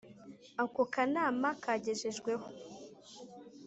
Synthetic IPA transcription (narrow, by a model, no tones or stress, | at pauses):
akokanaːmakaɟe̞ʒeʒɡwe̞ho